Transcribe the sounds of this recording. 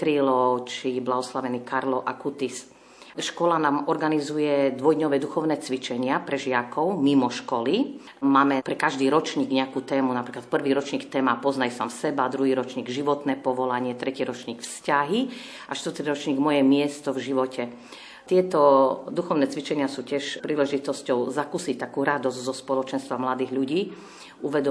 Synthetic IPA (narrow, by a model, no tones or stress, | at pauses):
t̪ɾilɔt͡ʃiblaɦɔslaʋɛniːkaɾlɔʔakut̪is | ʃkɔlanaːmɔɾɡanizujɛd̪ʋɔjd̪ɲɔʋɛːd̪uxɔʊnɛːt͡sʋit͡ʃɛɲɪapɾɛʒɪakɔʊmimɔʃkɔli | maːmɛpɾɛkaʒd̪iːɾɔt͡ʃɲiːɡɲɛakuːt̪ɛːmunapɾiːklat̪̚pr̩ʋiːɾɔt͡ʃɲiːkt̪ɛːmapɔznajsa̰ːmsɛbad̪ɾuɦiːɾɔt͡ʃɲiːɡʒiʋɔt̪nɛːpɔʋɔlaɲɪɛt̪ɾɛciɾɔt͡ʃɲiːkfscaɦi | ʔaʃt̪ʋəɾt̪iɾɔt͡ʃɲiːɡmɔjɛmɪɛst̪ɔvʒiʋɔcʰɛ | t̪ɪɛt̪ɔd̪uxɔʊnɛːt͡sʋit͡ʃɛɲɪasuːcɪɛʃpɾiːlɛʒit̪ɔscɔʊzakuːsic̚t̪akuːɾad̪ɔzɟzɔspɔlɔt͡ʃɛnst̪ʋamlad̪iːɣʎuɟiː | uʋɛd̪ɔ